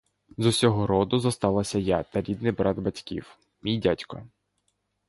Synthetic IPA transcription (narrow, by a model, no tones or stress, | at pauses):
zʊsʲɔɦɔɾɔd̪ʊzɐst̪ɑlˠɐsʲɐjat̪ɐɾʲid̪nɪbɾɑd̪bɐtʲkʲḭw | mʲijdʲatʲkɔ